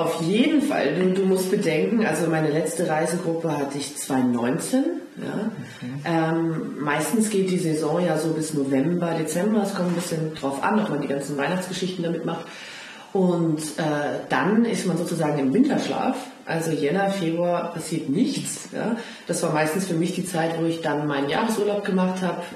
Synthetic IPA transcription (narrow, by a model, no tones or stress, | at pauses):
ʔaʊfjeːdn̩fa̰lduːduːmʊst̚b̥ədɛŋkŋ̩ʔalzomaɪnəlɛt͡stəʁaɪzəɡʁʊpəɦatʰəɪçt͡sv̥aɪʊnːɔʏnt͡sen | ja̰ː | ʔɛːmːaɪstn̩sɡ̥eːt̚d̥iːzezɔ̃jaːzoːbɪsnovɛmbɐdet͡sɛmbɐɛskʰɔmtn̩bɪsçəndʁaʊfʔa̰nɔpmandiːɡ̥ant͡sn̩vaɪnaχt͡sɡ̥əʃɪçtn̩damɪtmaχt | ʔʊntʔɛːd̥anɪstmanzoːt͡suzaːɡŋ̩ɪmvɪntʰɐʃla̰ːf | ʔa̰lzojɛnafeːbʁuaːɐpʰasiːɐtnɪçt͡s | ja̰ː | d̥asv̥aːɐmaɪstn̩sfyːɐmɪçd̥iːt͡saɪtv̥oːɪçd̥anmaɪnənja̰ːʁəsʔuɐlaʊp̚ɡ̥əmaχthaːbə